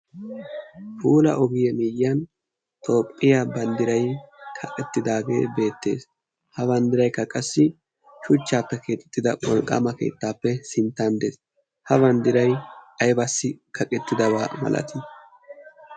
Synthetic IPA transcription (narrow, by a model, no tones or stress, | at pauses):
puːlɐ̰ʔɔɡɪjɛmijːɐn | t̪o̞ːpʼːɪjaːbɐnd̪ɪɾɐjkʰɐkʼɛt̪ːɪd̪aːɡe̞̰ːbe̞ːt̪ːe̞̰ːs | hɐbɐnd̪ɪɾɐjkːɐkʼɐsːɪ | ʃʊt͡ʃːaːpːɛkʰe̞ːt̪ʼɛ̥t̪ːɪd̪ɐwɔlkʼːɐ̰mɐke̞̰ːt̪ːaːpːɛsɪnt̪ːand̪eːs | hɐbɐnd̪ɪɾɐjɐjbɐsːɪkʰɐkʼɛt̪ːɪd̪ɐβaːmɐ̰lʔɐ̰t̪ɪ